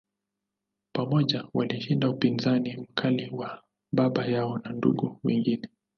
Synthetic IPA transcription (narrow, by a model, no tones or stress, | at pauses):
pamɔʄawaliʃindaupinzanim̩kʰaliwa | ɓaɓajaɔnandṵɡuwɛ̰ŋɡinɛ